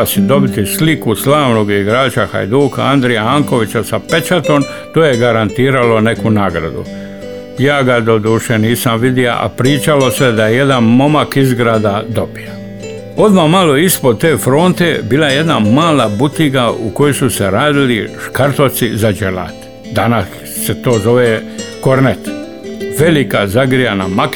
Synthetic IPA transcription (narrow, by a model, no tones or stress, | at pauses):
sid̪o̞bit̪islikuslaːʋno̞ɡiɡɾaːt͡ʃaxa̰jd̪uːka̰and̪ɾɛjaaŋko̞ʋit͡ɕasape̞t͡ʃat̪o̞m | t̪oːjeɡaɾant̪iːɾalo̞ne̞kunaːɡɾa̰d̪ṵ | jaːɡad̪o̞d̪uːʃeniːsamʋid̪ia̰ʔa̰pɾiːt͡ʃalo̞sed̪ajeje̞d̪anmo̞makizɡɾaːd̪ad̪o̞bija | o̞d̪ʋamalo̞ispod̪̚t̪e̞ːfɾo̞ːnt̪e̞biːlajeje̞d̪namaːlabut̪iɡauko̞josuseɾaːd̪iliʃkaɾt̪ot̪sizad͡ʒela̰t̪ | d̪anasː | e̞t̪o̞ːzo̞ʋekoɾnet̪ | ʋe̞likazaɡɾijanamak